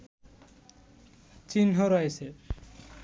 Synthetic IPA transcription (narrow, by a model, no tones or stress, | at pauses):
t͡ɕinɦoɾɔjse